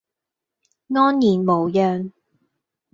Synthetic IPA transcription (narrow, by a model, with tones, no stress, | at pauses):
ŋɔː˥njiː˨˩nmo˨˩wjœː˨˧ŋ